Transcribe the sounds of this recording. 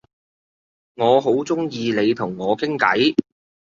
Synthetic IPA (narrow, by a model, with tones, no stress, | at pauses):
ŋɔː˨˧ɦo˨˥wt͡sʊ˥ŋjiː˧le˨˧jt̪ʰʊ˨˩ŋːɔː˨˧kʰɪ˥ŋkɐ̰˨˥j